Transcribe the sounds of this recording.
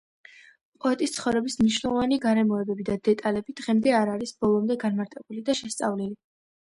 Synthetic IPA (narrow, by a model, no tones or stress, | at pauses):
pʼɔɛt̪ʼist̪sʰχɔvɾɛbismniʃnɛlˠɔvaniɡaɾɛmɔɛbɛbid̪ad̪ɛt̪ʼalɛbid̪ʁɛmd̪ɛaɾaɾisbɔlˠɔmd̪ɛɡanmaɾt̪ʼɛbulid̪aʃɛst̪sʼa̰vlili